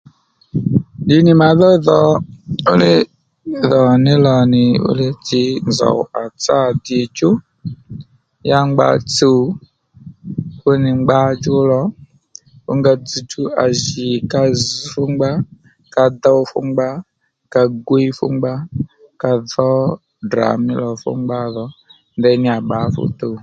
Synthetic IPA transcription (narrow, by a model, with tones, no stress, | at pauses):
di˨˦ni˨ma˨˦ðɔ˦ðɔ˨ʊ˦lɪ˦ | ðɔ˨nɪ˦lɔ˨nɪ˨ʊ̰˦lɪ˦ti˦nzɔ̰˨a˨t͡sa˦˨di˨t͡ʃu˦ | ja˦ŋ͡mɡ͡ba̰˨t͡su˨ | fʊ˦nɪ˨ŋ͡mɡ͡ba˦d͡ʒu˦lɔ˦ | ṵ˦ŋɡa˧d͡zi˨tu˦a̰˨ʒi˨ka˧zfu˦ŋ͡mɡ͡ba˦ | ka˧d̪a˦u˧fṵ˦ŋ͡mɡ͡ba˦ | ka˧ɡwi˦fṵ˦ŋ͡mɡ͡ba˦ | ka˧ðɔ˦ | dɾa̰˨mḭ˦lɔ˨fṵ˦ŋ͡mɡ͡ba˦ðɔ˨˦ | ndɛ˧˦nɪ˦a˨ɓa˨˦fṵ˦t̪u˦˨